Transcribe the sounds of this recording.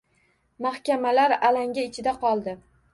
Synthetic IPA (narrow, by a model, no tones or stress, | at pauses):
mahkʲamalaɾalaŋʲaɪt͡ʃʰɪd̪aqʰɒlˠd̪ɪ